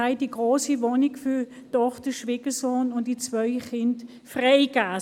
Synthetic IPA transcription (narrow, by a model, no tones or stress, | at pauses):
aɪd̥iɡʁoːsivoːnɪɡfy | tɔχtəʃviːɡ̥əsoːnʊntd̥it͡sv̥œʏχɪnt | fʁaɪɡ̥aː